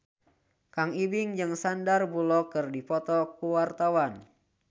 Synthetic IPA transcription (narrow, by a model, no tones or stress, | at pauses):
kaŋibɪŋd͡ʒɨŋsandarbulɔkɨrdipɔt̪ɔkuwart̪awan